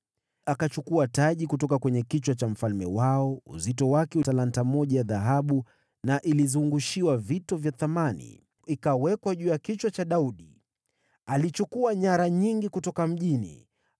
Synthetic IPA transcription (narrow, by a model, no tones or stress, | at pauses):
akat͡ʃukuataʄikutɔkakwɛɲɛkit͡ʃwat͡ʃam̩falmɛ̰waɔṵzitɔwakɛutalantamɔʄajaðaɦaɓu | naʔilizuŋɡuʃiwavitɔvjaθamanḭ | ikawɛkwaʄuːjakit͡ʃwat͡ʃaɗauɗi | alit͡ʃukuaɲaɾaɲiŋɡikutɔkam̩ʄinḭ